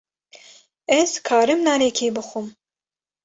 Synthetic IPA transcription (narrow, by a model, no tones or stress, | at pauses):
ɛz̥kʰɑːɾɨmnaːnekʰeːbɨxʷum